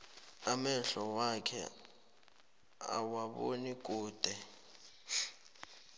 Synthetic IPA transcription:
amɛɬɔwakʰɛ̰ | a̰waɓo̰nik̬ʼuːd̥ʱɛ

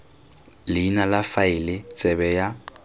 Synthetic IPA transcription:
lɪinalafaɪlɪt͡sʼɛbɛja

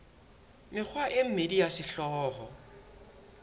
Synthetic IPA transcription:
mɪk͡xʰwaʔɪm̩medijasɪɬɔːhɔ

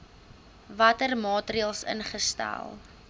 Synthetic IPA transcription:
vɐtərmɑːtriəlˠsə̰nχəstæ̰lˠ

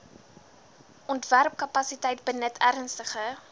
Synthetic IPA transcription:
ʔɔntværp̚kɐpɐsitəjtbənətʰæɾnstəχə

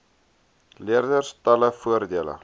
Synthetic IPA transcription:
liərdərstɐləfuərdiələ̰

